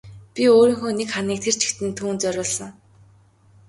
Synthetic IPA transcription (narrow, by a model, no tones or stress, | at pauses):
pʲioːɾiːŋxoːnekχaniːk̚t̪ʰer̥t͡ɕʰɪ̥̆kt̪ɘ̆nt̪ʰuːnt͡sœɾʲʊːɮsə̆ŋ